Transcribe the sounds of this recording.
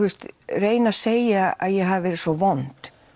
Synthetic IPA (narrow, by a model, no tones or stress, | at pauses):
ust̪reːjnḁseːjaa̰ðjɛɦavvɛːɾɪ̥svɔvɔnt̪